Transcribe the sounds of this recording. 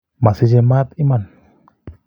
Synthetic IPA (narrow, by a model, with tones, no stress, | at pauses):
ma˨si˦d͡ʒe˧ma˦t̪i˦man